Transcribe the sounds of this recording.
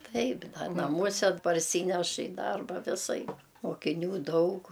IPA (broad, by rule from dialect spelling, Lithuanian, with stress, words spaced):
ˈtɐɪp ˈdɐ nɐˈmuɔsʲɛ pɐrʲˈsʲiːnʲɛʃ ɪ ˈdɐrbɐ ʋʲɪˈsɐɪp moːkʲɪˈnʲuː ˈdɐʊk